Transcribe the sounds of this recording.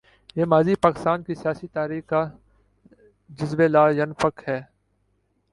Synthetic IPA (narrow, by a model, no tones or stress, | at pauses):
jeːmaːzipaːkɪ̥st̪aːnkisijaːsit̪aːɾiːxa | d͡ʒɪzbelaːjɐnfəkhɛː